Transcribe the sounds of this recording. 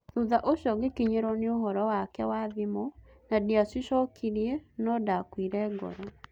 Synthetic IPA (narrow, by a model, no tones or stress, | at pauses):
ðuðaʔoʃɔɡekiɲeɾɔneoɦɔɾɔwakɛwaðimɔ | nadiasiʃɔkʰiɾiɛnɔdakwiɾɛɡɔ̰ɾa